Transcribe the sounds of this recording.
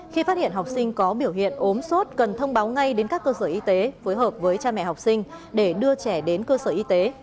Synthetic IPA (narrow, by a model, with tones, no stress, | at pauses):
xi˧faː˦˥t̚hḭ˧˨ənɦa˨˩wk͡p̚sï˧ŋ̟kɔ˨˦ɓi˧˩əwhɦḭ˧˨ənʔo˨˦mso˦˥t̚kə˨˩nt̪ʰə˧wŋ͡mɓaː˨˦wŋa˧jɗe˨˦nkaː˦˥kːəː˧səː˧˩ʔi˧t̪e˨˦fo˨˦jɦəː˨˩p̚vəː˨˦jt͡ɕaː˧mɛ̰˧˨ha˨˩wk͡p̚sï˧ŋ̟ɗe˧˩ɗɨ˧ət͡ɕɛ˧˩ɗe˨˦nkəː˧səː˧˩ʔi˧t̪e˨˦